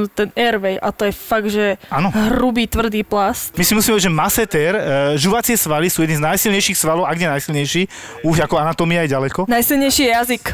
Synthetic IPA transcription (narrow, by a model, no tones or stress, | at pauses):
ut̪ɛnɛɾʋɛjʔat̪ɔjɛfaɡ̪ʒɛaːnɔɦɾubiːt̪ʋr̩d̪iːplasmisimusimɛɔɛd͡ʒʒɛmasɛt̪ɛɾʒuʋat͡sɪɛsʋalisuːjɛd̪nĩznajsilɲɛjʃixsʋalɔʊʔaɡɲɛnajsilɲɛjʃiː | uʒakɔanat̪ɔmiajɛɟalɛkɔnajsilɲɛjʃijɛjazik